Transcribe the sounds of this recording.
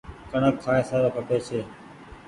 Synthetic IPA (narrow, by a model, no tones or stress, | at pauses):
kəɳəkʰːaːeːsaːɾoːkəpeːt͡ʃʰeː